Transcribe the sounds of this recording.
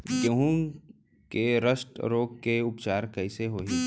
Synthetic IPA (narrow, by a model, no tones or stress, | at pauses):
ɡəɦũ | keɾəsʈɾoːkkːeʊpt͡ʃaːɾkɛɪseɦoːɦi